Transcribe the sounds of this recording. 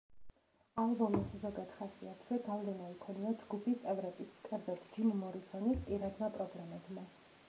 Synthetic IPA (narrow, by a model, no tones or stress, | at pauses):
albɔmiszɔɡad̪̥χasiat̪ʰvɛɡavlɛnaikʰɔniad͡ʒɡupʰist̪sʼɛvɾɛbiskʼɛɾd̪at̪ʰd͡ʒimmɔɾisɔnispʼiɾad̪mapʼɾɔblɛmɛd̪ma